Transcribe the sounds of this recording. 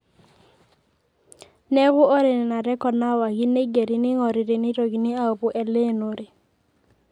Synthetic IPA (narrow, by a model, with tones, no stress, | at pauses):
nɛ˦ɣʊ˦o˦ɾe˨n˨na˨ɾɛ˦kɔ˨na˦wa˨ɡɪ˦ne˦ɡe˨ɾi˨nɪ˦ŋɔ˨ɾɪ˨ɾɪ˨nɪ˦ɾo˨ɡi˨nɪ˦a˦o˨bʊ˨ʔɛ˨le˦no˨ɾɪ˨